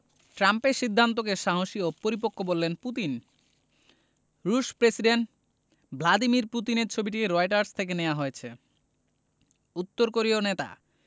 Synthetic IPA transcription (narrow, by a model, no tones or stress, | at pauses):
ʈɾampeɾʃid̪ʱːant̪̬okeʃaɦoʃiopoɾipokʰːobolːenput̪in | ɾuʃpɾesiɖeɳʈ | bʱlad̪imiɾput̪̬ineɾt͡ɕʰobiʈiɾoeʈ̬aɾst̪ʰek̬eneaɦoet͡ɕʰe | ut̪ːoɾkoɾionet̪a̰